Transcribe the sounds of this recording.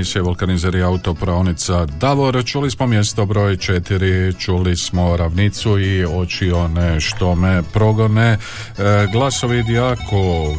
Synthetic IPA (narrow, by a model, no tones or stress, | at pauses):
isijeʋolˠkanizeɾiaut̪o̞pɾaonit̪sad̪aʋoɾt͡ʃulismo̞mje̞st̪obɾo̞ːjt͡ʃet̪iɾit͡ʃulismo̞ɾaʋnit̪suio̞t͡ʃioneʃt̪omepɾo̞ɡo̞ne | ɡlˠasoʋid̪ijaːkʰo